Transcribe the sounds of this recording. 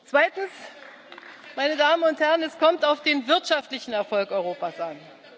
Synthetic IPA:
t͡sv̥aɪtn̩s | maɪnədaːmənʊnthɛʁənɛskʰɔmtaʊfd̥eːnvɪɐtʃaftlɪçn̩ɛɐfɔlkʔɔʏʁ̞oːpaːsʔan

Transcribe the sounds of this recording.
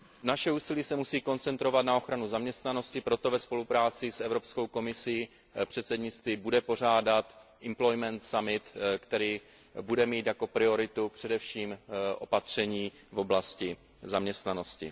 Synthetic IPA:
naʃɛuːsɪliːsɛmusiːko̞nt͡sɛnt̪ɾo̞vat̪nao̞xɾanuzamɲɛst̪nano̞scɪpɾo̞t̪o̞vɛspo̞lupɾaːt͡sɪsɛvɾopskowko̞mɪsiː | pr̝̥ɛt̪sɛdɲɪt͡st̪viːbudɛpo̞r̝aːdat̪ʔɪmplo̞jmɛnt̪samɪt̪kt̪ɛɾiː | budɛmiːt̪jako̞pɾɪo̞ɾɪt̪upr̝̥ɛdɛfʃiːmʔo̞pat̪r̝̥ɛɲiː | vo̞blascɪ | zamɲɛst̪nano̞scɪ̰

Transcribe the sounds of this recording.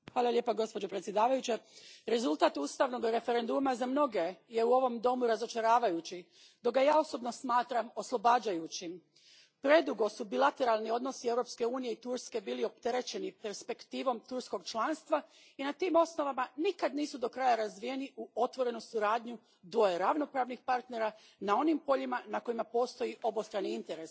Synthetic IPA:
xʋaːlˠalje̞ːpaɡo̞spo̞d͡ʑo̞pɾet̪sjed̪aːʋajut͡ɕeɾe̞zulˠt̪aːt̪uːst̪aʋno̞ɡɾe̞fe̞ɾe̞nd̪umazamno̞ɡe̞je̞uo̞ʋo̞md̪o̞muɾazo̞t͡ʃaɾaːʋajut͡ɕi | d̪o̞k̚ɡajaːo̞so̞bno̞smaːt̪ɾamo̞slˠo̞baːd͡ʑajut͡ɕi | pɾe̞d̪uɡo̞subilˠat̪e̞ɾalˠnio̞d̪no̞sie̞vɾo̞pske̞uːnije̞it̪uɾske̞biːlio̞p̚t̪e̞ɾe̞t͡ɕe̞nipe̞ɾspe̞kt̪iːʋo̞mt̪uɾsko̞ɡ̚t͡ʃlˠaːnst̪ʋa | inat̪iːmo̞sno̞ʋamanikad̪niːsud̪o̞kɾaːjaɾazʋije̞niʔuo̞t̪ʋo̞ɾe̞nusuɾaːd̪ɲu | d̪ʋo̞jeɾaʋno̞pɾaːʋnixpaɾt̪ne̞ɾa | nao̞nimpo̞ʎimanako̞imapo̞ːst̪o̞jiʔo̞bost̪ɾaniint̪e̞ɾe̞s

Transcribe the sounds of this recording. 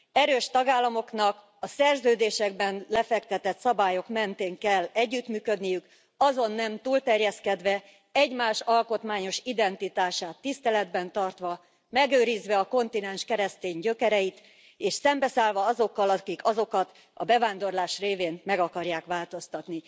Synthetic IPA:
ɛɾøːʃt̪ɒɡaːlːɒmo̞knɒk | ɒsɛrzøːd̪eːʃɛɡbɛnlɛfɛkt̪ɛt̪ɛt̪sɒbaːjo̞kmɛnt̪eːŋkɛlːɛɟːyt̪myːkø̞d̪nijyk | ɒzo̞nːɛmt̪uːlt̪ɛrjɛskɛd̪ʋɛ | ɛɟmaːʃɒlko̞t̪maːɲo̞ʃid̪ɛnt̪it̪aːʃaːt̪ːist̪ɛlɛd̪bɛnt̪ɒrt̪ʋɒ | mɛɡøːɾizʋɛɒko̞nt̪inɛnʃkɛɾɛst̪eːɲɟø̞kɛɾɛjit̪ | eːʃsɛmbɛsaːlvɒɒzo̞kːɒlɒkikɒzo̞kɒt̪ | ɒ̰bɛvaːnd̪o̞rlaːʃreːveːnmɛɡɒkɒrjaːkʋaːlt̪o̞st̪ɒt̪ni

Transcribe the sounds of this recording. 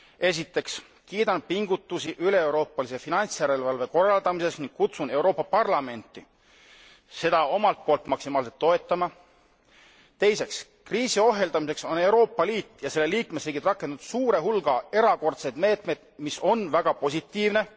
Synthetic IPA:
e̞s̬it̪ːˑe̞ks | kiːd̪ɑnpiŋɡ̥ut̪ːˑusiʔyle̞ewɾo̞ːpːɑlise̞finɑnʲt̪sjæɾe̞lvɑlve̞ko̞rːɑld̪ɑmise̞sniŋɡ̥̚kut̪sune̞wɾo̞ːpːɑpɑrlɑme̞nʲt̪ːˑi | se̞d̪̥ɑo̞mɑlt̪̚po̞ːlt̪ˑmɑksimɑːlset̪ːo̞e̞t̪ːˑɑmɑ | t̪e̞jse̞ks | kriːsio̞ɦe̞ld̪ɑmis̬e̞kso̞ne̞wɾo̞ːpːˑɑliːt̪ːˑjɑse̞lːe̞liːkmesriːɡ̥it̪rɑkːˑe̞nd̪ud̪̥suːɾe̞ɦulɡ̥ɑe̞ɾɑko̞rt̪sejd̪̥me̞ːt̪mejd̪̥miso̞nvæɡ̥ɑpo̞s̬ʲit̪ːˑiːvne̞

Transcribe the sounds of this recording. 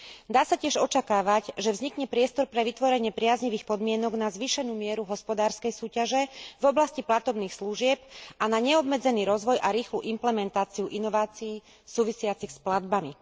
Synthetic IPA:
d̪aːsacɪɛʒɔt͡ʃakaːʋaɟʒɛvzɲikɲɛpɾɪɛst̪ɔɾpɾɛʋit̪ʋɔɾɛɲɪɛpɾɪazɲiʋiːxpɔd̪mɪɛnɔɡnazʋiʃɛnuːmɪɛɾuɦɔspɔd̪aːɾskɛjsuːcaʒɛvɔblasciplat̪ɔbniːxsluʒɪɛp̚anaɲɛɔbmɛd͡zɛniːɾɔzʋɔjʔaɾiːxlṵːʔimplɛmɛnt̪aːt͡siuʔinɔʋaːt͡siiː | suːʋisɪat͡sixsplad̪bami

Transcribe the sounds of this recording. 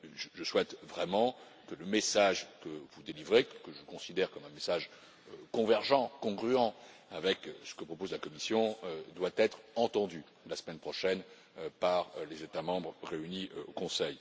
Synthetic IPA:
ʒəʒəswɛt̪vʁɛmɑ̃ | kələmesaʒkəvud̪elivʁekəʒəkɔ̃sid̪ɛʁkɔmɛ̃mesaʒ | kɔ̃vɛʁʒɑ̃kɔ̃ɡʁyɑ̃avɛksə̥kəpχɔpozlakɔmisjɔ̃ød̪wat̪ɛt̪χɑ̃t̪ɑ̃d̪y | lasəmɛnpχɔʃɛn | paʁlezet̪amɑ̃bʁʁeyniokɔ̃sɛj

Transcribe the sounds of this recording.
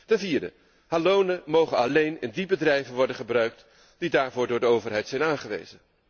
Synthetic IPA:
tɛnviːɹdə̰ | haːlownəmowχənɑlejnɪ̰ndibədrɛjvənʋɔɹdənχəbrœɥk̚t | d̥idaːɹvʊːɹdʊːɹdəowvəɹɦɛjtsɛjnaːnχəʋḛjzən

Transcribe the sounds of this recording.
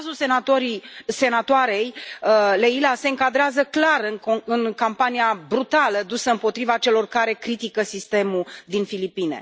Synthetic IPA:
ʒulsenat̪oɾise̞nat̪oaɾe̞jleilase̞ɨŋkad̪ɾeazəklarɨnoɨnkampanijabɾut̪aləd̪usəɨmpo̞t̪ɾivat͡ʃe̞lo̞rkaɾe̞kɾit̪ikəsist̪e̞mud̪infilipine̞̰

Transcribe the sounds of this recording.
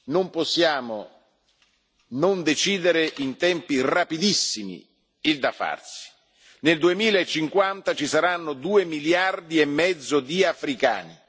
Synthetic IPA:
nomposːjaːmo | nond̪et͡ʃiːd̪eɾeʔint̪ɛmpirapid̪isːimḭ | ild̪afa̰rsi̥ | neld̪uemiːlaet͡ʃːiŋkwant̪at͡ʃisaɾanːod̪uːemiljard̪iɛmːɛd̪zːod̪iafɾika̰ːni

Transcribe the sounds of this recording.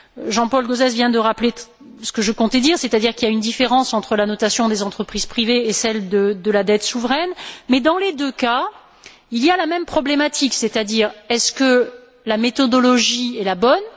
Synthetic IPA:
ʒɑ̃pɔlɡozɛzvjɛ̃d̪əʁaple | sə̥kəʒəkɔ̃t̪ɛd̪iʁset̪ad̪iʁkiljaynd̪ifeʁɑ̃sɑ̃t̪χəlanɔt̪asjɔ̃d̪ezɑ̃t̪χəpχiz̥pχiveesɛld̪əd̪əlad̪ɛt̪suvʁɛnmɛd̪ɑ̃led̪øka | ilijalamɛmpχɔblemat̪ʰikset̪ad̪iːʁɛskə | lamet̪ɔd̪ɔlɔʒiɛlabɔn

